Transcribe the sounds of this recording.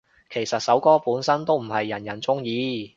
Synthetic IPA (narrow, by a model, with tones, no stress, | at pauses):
kʰe˨˩jsɐ˨t̚sɐ˨˥wkɔː˥puː˨˥nsɐ˥nt̪o˥wm̩˨˩hɐ˨jːɐ˨˩njɐ˨˩nt͡sʊ˥ŋjiː˨˧